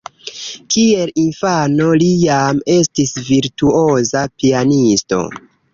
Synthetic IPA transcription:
kie̞linfano̞lijame̞stisviɾtuozapianisto̞̰

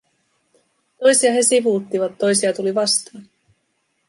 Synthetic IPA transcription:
t̪o̞jsiɑɦe̞siʋut̪ːiʋɑt̪ːo̞jsiɑt̪uliʋɑst̪ɑːn

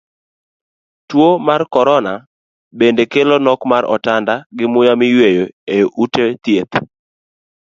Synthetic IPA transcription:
twomarkɔɾɔna | bendekelɔnɔkmaɾɔ̰tandaɡɪmʊjamɪjwejoejoʔutet̪jet̪

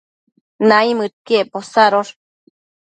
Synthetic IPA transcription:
naimɨt̪̚kieposaɾoɾ

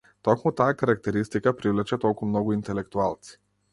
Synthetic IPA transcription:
t̪ɔkmut̪ajakaɾak̚t̪ɛɾist̪ikapɾivlɛt͡ʃɛt̪ɔlˠkumnɔɡuint̪ɛlɛkt̪ualˠt̪si̥

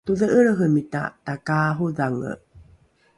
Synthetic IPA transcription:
tuðəʔəɾəɦəmita̰takaːɦuðaŋə̰

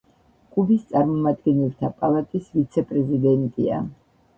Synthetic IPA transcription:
kʼubist̪sʼaɾmɔmad̪ɡɛnilˠt̪ʰapʼalˠat̪ʼisvit̪sʰɛpʼɾɛzid̪ɛnt̪ʼia̰

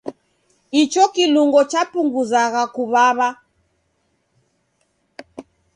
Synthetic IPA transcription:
it͡ʃɔkiluŋɡɔt͡ʃapuŋɡuzaɣakuβaβa

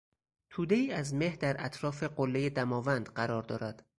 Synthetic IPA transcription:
t̪ʰuːd̪e̞iːæzme̞hd̪æɾæt̪ʰɾɒːfe̞ɢolːe̞je̞d̪æmɒːvænd̪̥ɢæɾɒːɾd̪ɒːɾæd̪̥

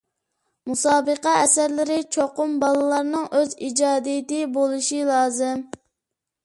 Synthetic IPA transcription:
musɑːbəqɛɛsæɾlɪɾɪt͡ʃʰoqʊmbɑlˠɨlˠɑɾnɨŋʔøzid͡ʒɑːd̪ijɪt̪ɪbolˠɨʃilˠɑːzɪm

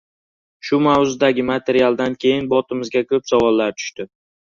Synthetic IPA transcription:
ʃʊmawzʊd̪aɡʲɪmat̪ʰe̞ɾialˠd̪ankʲʰe̞jɪnbɒt̪ʰɪmɪzɡʲakʰɵpsavɒlˠːaɾt̪ʰʊ̥ʃt̪ɪ

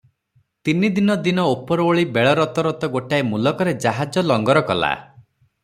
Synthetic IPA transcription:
t̪inid̪inɔd̪inɔopɔɾɔoɭibeɭɔɾɔt̪ɔɾɔt̪ɔɡoʈaemulɔkɔɾed͡ʒaɦad͡ʒɔlɔŋɡɔɾɔkɔla̰

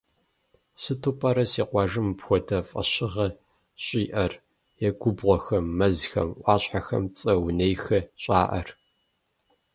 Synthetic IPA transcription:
sɨtʰoːpʼɐɾɐsiːqʷɑʒɨmpxʷɔdʰɐfʼɐ̰ɕɪʁɐ | ɕʼiːʔɐr | jɛɡʷʊbʁʷɔxɐmːɐzxɐ̰mʔʷɑːɕħaxɐ̰mt͡sʼɐwnejxɐɕʼa̰ːʔɐ̰r

